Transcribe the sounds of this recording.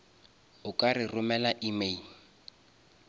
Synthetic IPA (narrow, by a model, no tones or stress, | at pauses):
ʊkʼarɪrʊmɛlaʔime